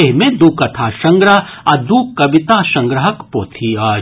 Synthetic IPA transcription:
eɦmẽd̪uːkːɐt̪ʰaːʃɐ̃ŋɡɾəɦɐd̪uːkːɐʋɪt̪aːʃɐ̃ŋɡɾəɦɐkpoːt̪ʰiaː

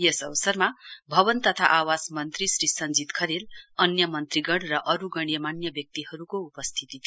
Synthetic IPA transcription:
jesʌbʌsʌrmabʱʌbʌnt̪ʌt̪ʰaʔawasmʌnt̪risrisʌnd͡zit̪kʰʌɾelʌnjʌmʌnt̪riɡʌɽrʌʔʌɾuɡʌɽ̃jʌmanjʌbjʌk̚t̪iɦʌɾukoupʌst̪ʰit̪it̪ʰ

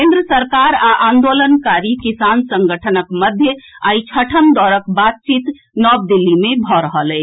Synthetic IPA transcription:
kẽnd̪ɾəsəɾkaɾaʔand̪olənkaɾikisansə̃ŋɡəʈʰənəkməd̪ʱjəait͡ʃʰəʈʰəmd̪ɔɾəkbat̪̚t͡ʃit̪ | nɔb̚d̪ilːimebʱɔɾəɦəlɛ

